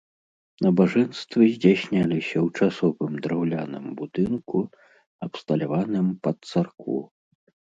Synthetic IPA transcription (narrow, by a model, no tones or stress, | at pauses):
nɐbaʐɛnst̪vɨzʲd͡zʲasʲnʲalʲisʲɐwt͡ʂasɔvɨmd̪ɾawlʲa̰nɨ̰mbud̪ɨnku | ɐpst̪ɐlʲavanɨmpɐt̪sarkʰṵ